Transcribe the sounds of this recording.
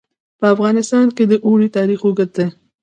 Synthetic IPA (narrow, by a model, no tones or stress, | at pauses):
pəafɣɑnɪst̪ɑnked̪əʔoɽit̪ɑɾixoɡət̪̚d̪e